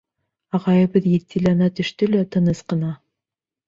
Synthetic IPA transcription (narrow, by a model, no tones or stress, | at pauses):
ɑʁɑjɤ̆βɤðjet̪ʰːilænɑt̪ɵ̆ʃt̪ɵlæt̪ɤ̆nɤsqɤ̆nɑ